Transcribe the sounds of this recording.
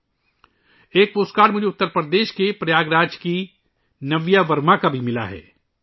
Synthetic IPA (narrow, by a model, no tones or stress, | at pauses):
eːk̚poːskaːɖmʊd͡ʒʱeʊt̪ːəɾpɾəd̪eːʃkepɾɐjaːɡɾaːd͡ʒki | nɐʋjaʋɐɾmakabʱimɪla̰ɦɛ̰ː